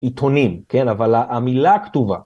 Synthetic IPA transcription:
it̪ʰonimkenavalaʔamilakt̪uva̰

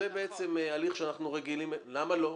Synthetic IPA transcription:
ebeet͡se̞mealiχʃeanaχnuʁeɡilimlamalo̞

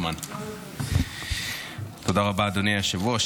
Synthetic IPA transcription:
man | t̪od̪aʁabad̪oniaʃavuaʃ

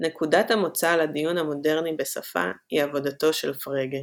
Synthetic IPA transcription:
ne̞kudathamo̞t͡saladijunhamo̞de̞ʁnibesa̰fa̰hiavo̞dato̞ʃelfʁeɡe

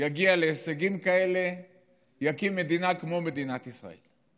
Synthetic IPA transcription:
jaɡialeːseɡimkae̞le̞ | jakimːe̞d̪inakmo̞me̞d̪inat̪isʁa̰e̞̰l

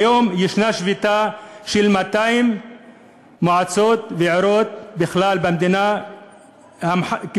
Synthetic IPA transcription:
ajomjeʃnaʃvit̪aʃelmat̪aimː | oʕat͡sot̪veʕoɾot̪̚biχlalbamd̪ina | hamħa

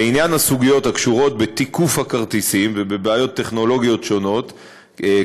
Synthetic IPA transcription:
injanhasuɡijo̞thakʃuʁo̞t̪̚bet̪ikufhakaʁt̪isimvebe̞beajo̞tːe̞χno̞lo̞ɡijo̞tʃo̞no̞t | e

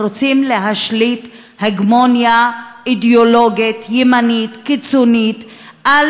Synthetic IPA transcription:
ot͡simleɦaʃlit | heɡmonjaidolo̞ɡit̪jemanit̪kit͡sonit̪ | a

